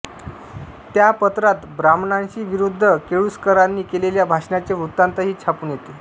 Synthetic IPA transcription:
t̪japət̪ɾat̪bɾamnãnt͡ɕiːʋiɾud̪ʱːəkeɭuskəɾanːiːkeleljabʱaʂnat͡ɕeʋɾut̪ːant̪əɦiːt͡ɕʰapuːnjet̪e

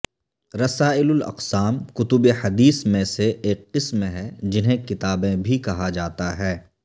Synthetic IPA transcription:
ɾɐsaːɪlʊlɐ̰qsaːmkʊt̪ʊbehɐd̪iːsmẽseʔeːkːɪsmɦɛd͡ʒɪnɦẽkɪt̪aːbẽbʱikɐɦad͡ʒaːt̪aɦɛː

